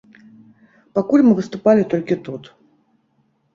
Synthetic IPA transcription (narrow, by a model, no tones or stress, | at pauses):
pakulʲmɨvɨst̪upalʲit̪ɔlʲkʲit̪ut̪